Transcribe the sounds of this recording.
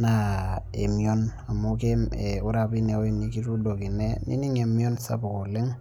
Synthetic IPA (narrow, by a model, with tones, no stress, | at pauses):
na˨e˨mi˨o˦n | a˨mo˦ke˦me˨u˦ɾa˨pi˦ne˨o˦i˦˨ni˦ki˦ɾu˦do˨ki˨ne˦nḭ˦ni˦ŋe˨mi˦ɔ˦nsa̰˦bo˨ko˨le˦ŋ